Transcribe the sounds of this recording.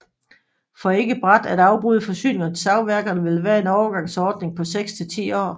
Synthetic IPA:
fɒ̽e̝ɡ̥əb̥ʁad̥æd̥ɑ̈ʊb̥ʁuð̞ˠfɒ̽sy̰ːne̝ŋɐn̩sɑ̈ʊʋæɐɡ̥ɐnəʋe̝lʋæːɐe̝nɒʊɐɡ̥ɑ̈ŋ̰sɒːd̥ne̝ŋpʰɒ̽seɡ̥st͡sʰe̝lt͡sʰḭːɒ̰ː

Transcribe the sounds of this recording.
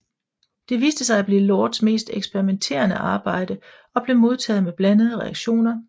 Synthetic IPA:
d̥e̝ʋiːsd̥əsɑ̈ɪæb̥le̝lɒːd̥sme̝̰ːsd̥eɡ̥sb̥eʁiment͡sʰe̝̰ːɐnəʔɑ̈ːb̥ɑ̈ɪ̰d̥ə | ɒ̽b̥le̝mo̝ð̞ˠt͡sʰɛ̰ːð̞̩ˠmeb̥lænəð̞̩ˠəʁɛɑ̈ɡ̥ɕo̝̰ːnɐ

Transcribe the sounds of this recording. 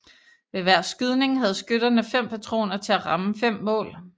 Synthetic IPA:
ʋe̝ʋæɐ̰sɡ̥yð̞ˠne̝ŋɦæð̞̩ˠsɡ̥øɾ̥ɐnəfem̰pʰæt͡sʰʁo̝̰ːnɐt͡sʰe̝æʁɑ̈məfem̰ːɔ̰̽ːl

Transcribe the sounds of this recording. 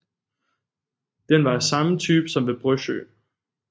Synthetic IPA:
d̥enʋɑ̈sɑ̈mət͡sʰyːb̥sɒ̽mʋe̝b̥ʁœɕø̰ː

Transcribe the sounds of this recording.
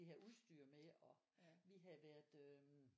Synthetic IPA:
ihæuðˠsd̥yːɐ̰meɒ̽ | ʋiɦæʋæɐ̰d̥ø

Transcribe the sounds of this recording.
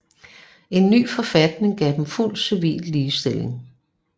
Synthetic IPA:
e̝nːy̰ːfɒ̽fæd̥ne̝ŋɡ̥ɛ̰ːd̥emful̰d̥siʋḭːlliːsd̥e̝le̝ŋ

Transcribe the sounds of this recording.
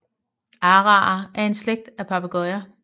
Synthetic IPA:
ɑːʁɑ̰̈ʔæɐe̝nsleɡ̥̚d̥æpʰɑ̈b̥ʰæɡ̥ɒɪɐ

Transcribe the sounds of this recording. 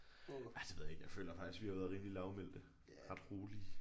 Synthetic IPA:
æd̥e̝ʋeð̰ˠjeɡ̥jɑ̈ɪfø̰ːlɐfɑ̈ɡ̥isɡ̥ʋihɑ̈ʋæɐð̩ˠʁiːmlilɑ̈ʊmel̰d̥ə | ʁɑ̈d̥ʁoːli

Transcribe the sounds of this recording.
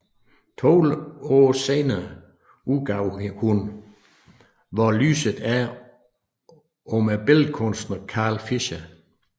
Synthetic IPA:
t͡sʰolɔːseːnɐə | uɡ̥ɑ̈ʊhun | ʋɒly̰ːsəðˠæɐ | ɔ̽mæb̥elkʰɔnsd̥nɐkʰɑ̈ːlfiɕə

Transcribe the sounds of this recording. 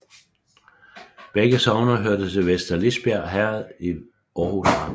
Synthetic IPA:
b̥eɡ̥əsɒʊnɐɦøɐd̥əsʰe̝ʋesd̥ɐlisb̥æɐ̰ɦæɐð̩ˠi | ʔɒːhusɑ̈m

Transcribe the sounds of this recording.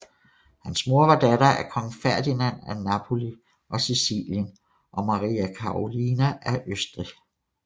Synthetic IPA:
hænsmo̝ɐʋɑ̈d̥ædɐæɐkʰɒ̽ŋ̩fæɐd̥inænænɑpʰo̝li | ʔɒ̽sisḭːljən | ʔɒ̽mɑ̈ʁiːækʰɑ̈ʁolinæʔæɐʔøsd̥ʁi

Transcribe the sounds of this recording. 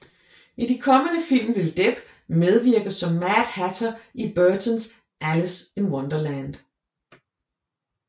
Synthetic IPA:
idikʰɒ̽mənəfil̰mʋe̝ld̥eb̥ | með̞ˠʋiɐɡ̥ɐsɒ̽mːæd̥hæt͡sʰɐib̥øɐt͡sʰɔns | ʔæləsenwɒnd̥ɐlænd̥

